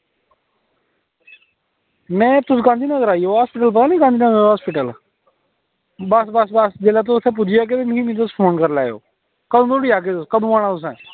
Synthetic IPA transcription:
mɛ̃ːt̪ʊsɡãːnd̪iːnəɡəɾaːiːoːɦaːspɪʈ̬əlp̬ət̪aːnĩːɡãːnd̪iːnəɡəɾɦaːspɪʈəl | bəsbəsbəsd͡ʒelaːt̪̬õsʰɛ̃ːp̬ʊd͡ʒijaːk̬ɪt̪ɪnkiːmĩːt̪̬ʊspʰoːnkəɾlaːjo̰ː | kəd̪õːt̪ʰoːɽiːaːk̬eːt̪ʊskəd̪õːaːɽ̃ãːt̪ʊs̬ɛ̰̃ː

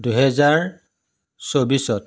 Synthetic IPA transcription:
duɦɛzaɹ | sobisɔt

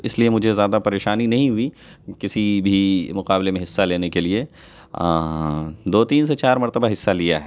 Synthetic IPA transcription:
ɪsliemʊd͡ʒʱezjaːd̪apɐɾeːʃaːninɐɦĩɦʊi | kɪsibʱimʊqaːblemẽɦɪsːaleːnekelie | d̪oːt̪iːns̬et͡ʃaːɾmɐɾt̪əbaɦɪsːalijaɦɛː

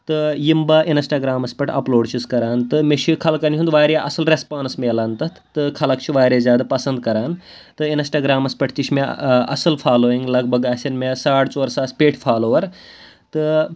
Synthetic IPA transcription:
t̪ɨjimbɐʔinsʈaːɡɾaːmɐspʲɐʈʰɐ̰ploːɖt͡ʃʰiskɐɾaːnt̪ɨmet͡ʃʰikʰɐlkɐnʲt͡ʃʰũnd̪ʋaːɾjaʔɐsɐlɾespaːnsmeːlaːnt̪ɨ | t̪ɨkʰɐlɐkt͡ʃʰiʋaːɾeːzʲjaːd̪apɐsɐnd̪̚kɐɾaːn | t̪ɨinsʈaːɡɾaːmɐspɐʈʰt͡ʃiʃʰmeɐ̰sɨlpʰaːloːiŋɡlɐɡ̚bʱɐɡaːsʲɐnmesaːɽt͡soːɾsaːspeːʈʰpʰaːloːʋɐɾ | t̪ɨ

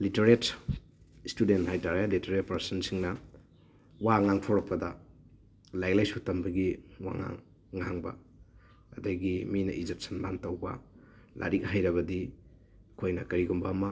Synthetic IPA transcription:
liteɾet | studentɦajtaɾeliteɾet̚pɐɾsɐnsiŋnɐ | waŋaŋtʰowɾɐk̚pːɐdɐ | lajlajsutɐmbɐɡiwa̰ŋa̰ŋː | aŋbɐ̰ | ɐdaɡiminɐ̰ʔizet̚sɐnbantɐwbɐ̰ | lʔa̰ɾik̚ɦajɾɐβɐdi | kʰojnɐkɐɾiɡumbamɐ

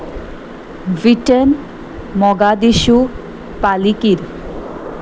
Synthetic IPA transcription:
viʈən | mɔɡad̪iʃu | palikiɾ

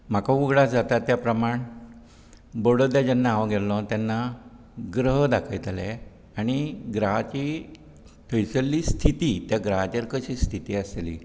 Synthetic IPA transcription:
m̤akauɡɽad͡zat̪at̪ːjapɾəmaɳ | boɽəd̪jad͡ʑanːaːʋɡɛllɔ̃t̪janːa | ɡɾəɦd̪akʰəjt̪elɛ | aɽ̃iɡɾaɦat͡ɕi | t̪ʰəjt͡səlːiːst̪ʰit̪iːt̪jaɡɾaɦat͡ɕ̪eɾkəɕiːst̪ʰit̪iːəslḭː

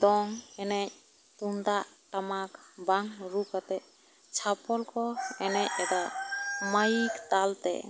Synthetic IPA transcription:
d̪ɔŋɛnɛc̚ | t̪und̪aʔ | ʈamakbaŋɾukat̪ɛ | t͡ʃʰapɔlkɔɛnɛc̚ɛdamajikt̪alt̪ɛ̰

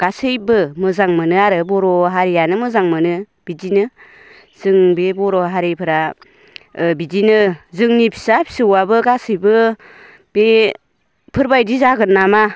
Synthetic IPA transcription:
ɡ̥asɯjbɯmɯzaŋmɯnɯaɾɯbɔɾɔɦaɾijanɯmɯzaŋmɯnɯ | b̥id͡ʒinɯ | z̥ɯŋbebɔɾɔɦaɾepʰɯɾa | bid͡ʒinɯzɯŋnipʰi̥sapʰi̥sɯwabɯɡasɯjbɯ | b̥e | pʰɯɾbajdizaɡɯnːama

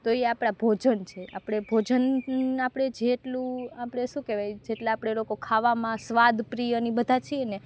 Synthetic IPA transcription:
t̪oeapɽ̃abʱod͡ʒənt͡ʃʰeʔa̰pɽ̃ebʱod͡ʒənapɽ̃ed͡ʒeʈlũapɽ̃eʃũkeʋajd͡ʒeʈlaːpɽ̃elokokʰaʋamãsʋad̪ʱpɾijənibəd̪ʱat͡ʃʰiene

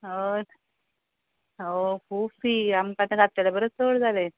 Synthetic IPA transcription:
o | okʰuːbfɾiːamkat̪ẽɡat̪ːeləbəɾət͡st͡soɽd͡zale

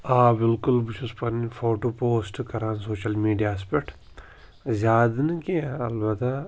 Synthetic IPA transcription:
aːbɪlkʊlbit͡ʃʰuspɐnifʰoːʈoːpoːsʈkɐɾãːnsoːʃɐlmiːɖijaːspeʈ | zʲaːd̪nɨkiaɐlbɐt̪a

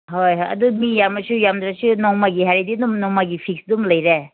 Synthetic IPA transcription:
ɦojɦojɐ̰dumijamɐsujamd̪ɾasunɔŋmaɡiɦaɾidinumnɔŋmaɡipʰik̚sdumlɐjɾe

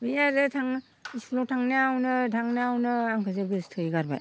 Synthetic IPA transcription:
bijaɾɯtʰaŋ | ispʰlɔtʰaŋneawnɯtʰaŋneawnɯaŋkʰɯzɯɡɯstʰɯjɡaɾba̰j

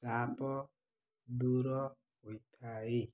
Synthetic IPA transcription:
sapɔ | duɾɔ | witʰae

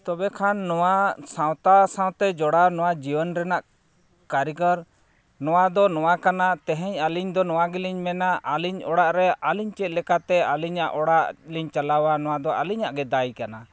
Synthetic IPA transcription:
t̪ɔbɛkʰanːɔwasãwt̪asãw̃t̪ɛd͡ʒɔɽanɔwad͡ʒibənɾɛnaʔ | kaɾiɡəɾ | nɔwad̪ɔnɔwakanat̪ɛɦɛɲaliɲd̪ɔnɔwaɡɛliɲmɛnaʔaliɲɔ̰ɽaʔɾɛaliɲt͡ʃɛt̪̚lɛkat̪ɛaliɲaʔɔɽaʔliɲt͡ʃalawanɔw̃ad̪ɔʔaliɲaʔɡɛd̪ajkana

